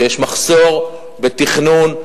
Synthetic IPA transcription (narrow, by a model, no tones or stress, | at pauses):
jeʃmaχso̞ʁ | bet̪iχnun